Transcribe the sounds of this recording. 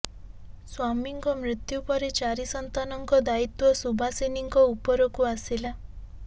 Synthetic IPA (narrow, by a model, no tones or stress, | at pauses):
swamiŋkɔmɾit̪jupɔɾet͡ʃaɾisɔnt̪anɔŋkɔd̪ait̪wɔsubʱaseniŋkɔupɔɾɔkuasila